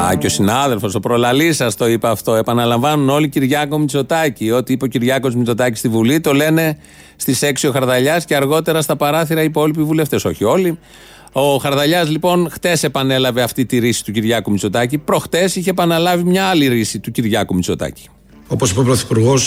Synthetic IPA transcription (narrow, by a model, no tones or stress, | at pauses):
ɐ̰co̞sinɐðe̞lfo̞so̞pɾolɐlisɐst̪o̞ipɐːft̪o̞epɐnɐlɐɱvɐnuno̞liciɾʝɐko̞mit͡so̞t̪ɐcio̞t̪iipeociɾʝɐko̞zmit͡so̞t̪ɐci̥st̪ivulit̪o̞le̞ne̞ | st̪ise̞ksio̞xɐɾðɐʎɐsceɐɾɣo̞t̪e̞ɾɐst̪ɐpɐɾɐθiɾɐipo̞lipivule̞ft̪e̞so̞çio̞li | o̞xɐɾðɐʎɐzlipo̞nxt̪e̞se̞pɐne̞lɐve̞ɐft̪it̪iɾisi̥t̪uciɾʝɐkumit͡so̞t̪ɐcipɾo̞xt̪e̞siçeːpɐnɐlɐvimɲɐɐliɾisit̪uciɾʝɐkumit͡so̞t̪ɐ̰ci̥ | o̞posipepɾoθipuɾɣo̞s